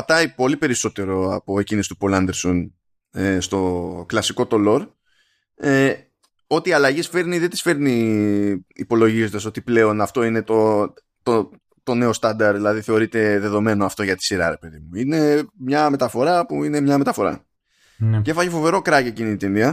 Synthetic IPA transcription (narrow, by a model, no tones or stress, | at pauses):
ɐt̪ɐipo̞lipe̞ɾiso̞t̪e̞ɾo̞ɐpo̞e̞cinist̪u̥po̞lɐnd̪e̞ɾson | est̪o̞klɐsiko̞t̪o̞lo̞ɾ | e | o̞t̪iːɐlɐʝisfe̞ɾniðet̪isfe̞ɾniː | po̞lo̞ʝizod̪ɐso̞t̪iple̞o̞nɐft̪o̞ine̞t̪o | t̪o | t̪o̞ne̞o̞st̪ɐnd̪ɐɾðilɐðiθe̞o̞ɾit̪e̞ðe̞ðo̞me̞noɐft̪o̞ʝɐt̪i̥siɾɐ̰ɾe̞pe̞ðimuine̞mɲɐme̞t̪ɐfo̞ɾɐpuine̞mɲɐme̞t̪ɐfo̞ɾɐ̰ | cefɐcefo̞ve̞ɾo̞kɾɐcecinit̪inðiɐ